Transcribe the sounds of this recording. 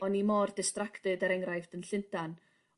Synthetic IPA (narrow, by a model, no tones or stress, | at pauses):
ɔnimɔrdɪstraktɨdaɾɛŋrajfdənɬɪntan